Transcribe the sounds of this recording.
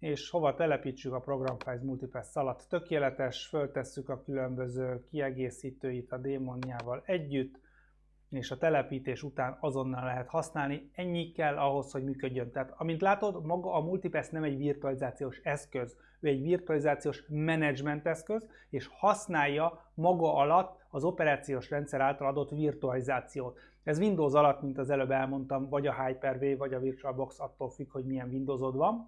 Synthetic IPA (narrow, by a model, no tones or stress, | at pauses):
eːʃho̞vɒt̪ɛlɛpiːt͡ʃːykɒpro̞ɡrɒɱfaːjzmult̪ipɛsːɒlɒt̪ːø̞keːlɛt̪ɛʃfø̞lt̪ɛsːykɒkylø̞mbø̞zøːkiɛɡeːsiːt̪øːjit̪ɒd̪eːmo̞nːaːvɒlɛɟːyt̪ː | eːʃɒt̪ɛlɛpiːt̪eːʃut̪aːnɒzo̞nːɒlːɛɦɛt̪hɒsnaːlniɛɲːikɛlːʔɒɦo̞sho̞ɟmyːkø̞ɟːø̞nt̪ɛaːt̪ɒmint̪laːt̪o̞d̪mɒɡɒʔːmult̪ipɛsnɛmɛɟʋirt̪uɒlizaːt̪sijoːʃɛskø̞z | øːɛɟʋirt̪uɒlizaːt̪sijoːʃmɛnɛd͡ʒmɛnt̪ɛskøz | eːʃhɒsnaːjːɒmɒɡɒʔɒlɒt̪ːɒzo̞pɛɾaːt̪sijoːʃrɛnt̪sɛɾaːlt̪ɒlɒd̪o̞t̪ːvirt̪uɒlizaːt̪sijoːt̪ | ɛzʋind̪oːzɒlɒt̪ːmint̪ɒzɛløbɛlmo̞nt̪ɒmvɒɟɒɦaːjpɛrveːvɒɟɒvirt̪uɒlbo̞ksɒt̪ːoːlfykho̞ɟmijɛɱvind̪oːzod̪ʋɒn